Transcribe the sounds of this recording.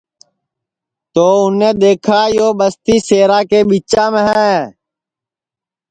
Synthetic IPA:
t̪oːʊneːd̪eːkʰaːjoːbəst̪iːseːɾaːkeːɓiːt͡ʃãːmẽɦɛː

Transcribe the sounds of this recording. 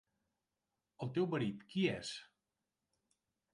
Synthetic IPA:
əlˠt̪ewbəɾit̪kiɛs

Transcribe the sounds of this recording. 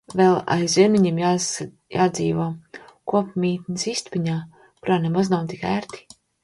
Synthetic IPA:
vɛlˠa̰jzʲimʲiɲiɛmja | jaːd̪zḭːvoɔkuɔpmʲiːt̪nisist̪piɲaː | kuɾaːnemaznawt̪ikæːɾt̪i̥

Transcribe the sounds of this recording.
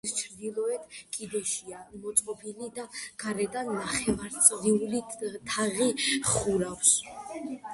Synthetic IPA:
st͡ʃʰɾd̪ilˠɔɛt̪ʰkʼid̪ɛʃiamɔt̪sʼqʼɔbilid̪aɡ̥aɾɛd̪anːaχɛvaɾt̪sʼɾiulit̪ʰaʁiχuɾafs

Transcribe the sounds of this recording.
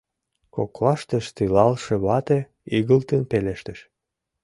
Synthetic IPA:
koklɑʃt̪ə̆ʃt̪ylɑlʃeβɑt̪e | iɣəlt̪ənpeleʃt̪əʃ

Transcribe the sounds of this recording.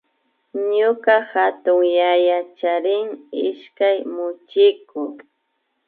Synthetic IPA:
ɲʊkahat̪ʊŋjajat͡ʃaɾɪŋɪʃkajmʊt͡ʃɪkʊ

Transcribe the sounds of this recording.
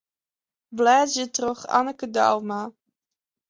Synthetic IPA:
blɛːjətrɔχa̰nəkəda̰wma

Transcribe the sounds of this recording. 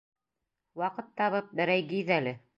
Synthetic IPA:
wɑqɤt̪ːɑβɤp̚bɘ̆ɾæjɡiðælɘ

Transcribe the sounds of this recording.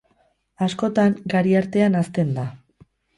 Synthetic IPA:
asko̞t̪aŋɡaɾiaɾt̪e̞anast̪e̞nd̪a

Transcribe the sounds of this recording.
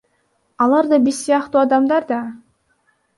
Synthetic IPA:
ɑlˠɑɾd̪ɑbiɾsijɑqt̪uːɑd̪ɑmd̪ɑɾd̪ɑ

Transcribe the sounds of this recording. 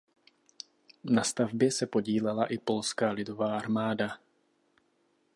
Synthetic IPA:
nast̪avbjɛsɛpo̞ɟiːlɛlaʔɪpo̞lskaːlɪdo̞vaːʔaɾmaːda

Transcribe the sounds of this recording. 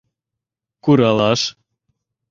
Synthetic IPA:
kuɾɑlɑʃ

